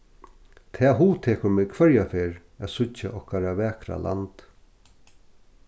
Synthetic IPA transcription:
t̪ʰɛːɦuːt̪ʰeːkʊɾmɪːkʰvœɹjafeːɹ | æːsʊt͡ʃːaʔɔhkaɾavɛːkɾa̰lʔa̰nt̪

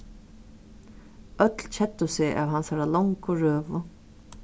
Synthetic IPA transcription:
œt̪lt͡ɕʰɛt̪ːʊsɪa̰ːʋɦansaɹalɔŋkʊɹøːvʊ

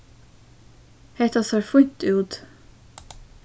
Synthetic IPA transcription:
hɛt̪ɑsɑːɾfʊɲt̪ʉːt̪

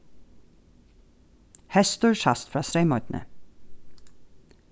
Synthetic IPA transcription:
hɛst̪ʊːɹʃɑst̪fɾɑːsɾeɪmɔt̪n̩ʔə̰

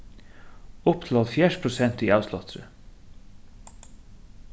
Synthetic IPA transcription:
ʊpt̪ʰɪlɑlfjæːʃpʰɾʊsɛnt̪iːɑʉslɑt̪ʰɾə̰

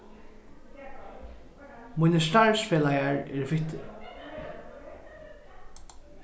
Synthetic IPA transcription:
mʊjnəst̪aɹsfɛːlajaɹɛɹvɪt̪ɪ̰

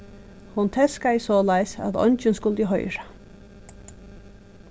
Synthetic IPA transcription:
hʊnt̪ʰɛskaɪsɔːlajsa̰ðɔ̰ɲt͡ʃɪnskʊlt̪ɪɦɔ̰jɾa

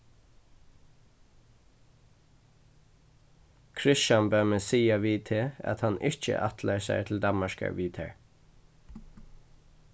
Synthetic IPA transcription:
kʰɹɪʃɑnbœːməsiːɑʋiːt̪ʰeːɑ̰t̪hɑnɪc͡çə̰ʔɑt̪ʰləɹsæ̰ɪt̪ʰl̩d̪ɑməʃkə̰ɹʋiːt̪ʰɛ̰ɹ

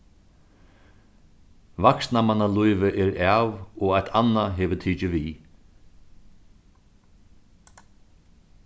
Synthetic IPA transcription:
vaksnamanalujʋɪʔɛɾɛːʋɔɣajt̪ʰanːaɦɛːʋət̪ʰiːt͡ʃɪʋiː

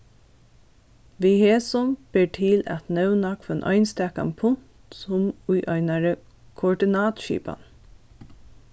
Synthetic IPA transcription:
ʋiheːsɔmb̥eːʈʰɪlæ̰t̪nœʉnɑkfɛnʔɔ̰ʏnst̪ɛːka̰mpʰʊŋt̪sʊmʊjʔœɪnaɹə | kʰʊɔɖɪnɑːt̪ʃḭːpa̰n

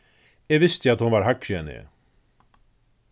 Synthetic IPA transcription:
ɛɣvɪst̪jɪat̪hʊnvaɾɦakʃɛnɪ̰

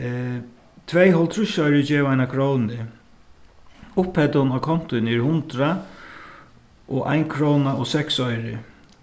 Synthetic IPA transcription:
t̪ʰvɛjɦɔlt̪ʰɾʊʃɔʏɾɪd͡ʒeːvaɪnakʰɾownnɪ | ʊphɛt̪ʊnakʰɔn̥t̪ʊɪnɛɹhʊnt̪ɾa | ʔɔʔa̰jnkʰɾɔwnaɔsɛksɔjɾɪ

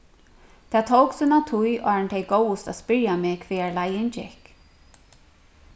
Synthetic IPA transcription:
t̪ʰaːt̪ʰowksʏnat̪ʰujʔɔ̰ɹɛnt̪ʰɛjɡowʊst̪a̰ðspɪɹjamɪːkʰveːaɹlajɪnt͡ʃɪ̰hk

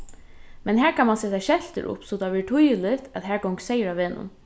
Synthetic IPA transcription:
mɛnɦæːɹkʰanmansɛːt̪aʃɛlt̪ə̰ɾʊ̰psɔt̪ʰaʋɪʈ̪ʰʊjəlɪt̪ʰæðɦæːɹɡɔwŋksɛjəɾaʋeːnʊ̰n

